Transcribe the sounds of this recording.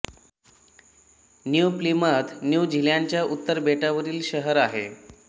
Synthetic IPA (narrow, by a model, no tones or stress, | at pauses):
njuplimət̪njud͡ʑʱiljaɲt͡ɕjaʔut̪ːəɾbʱeʈaʋəɾiːlɕəɦəɾaɦḛ